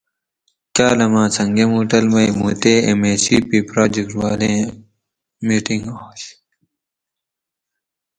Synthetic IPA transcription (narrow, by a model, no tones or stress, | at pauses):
kaːlɐmãːt͡sʰɐŋɡemuːʈɐlmɐjmṵːt̪eːḛmeːsipiːpɾaːd͡ʑekʈwaːlẽː | miːʈiŋɡoːɕ